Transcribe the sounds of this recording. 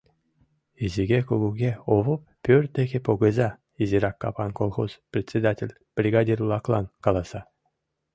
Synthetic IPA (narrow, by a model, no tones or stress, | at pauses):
izʲiɡʲekuɡuɡʲeovɤp̚pʲːørʲd̪ʲeɣʲepoɡɤ̆zʲɑ | izʲiɾɑkːɑ̰pɑnkolˠχosprʲet͡sʲːed̪atʲelʲ | b̥rʲiɡɑdʲirulˠɑklˠɑnkɑlˠɑsɑ